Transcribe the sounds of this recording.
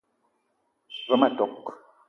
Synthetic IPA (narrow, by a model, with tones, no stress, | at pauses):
βə˦ma˨tɔ˨k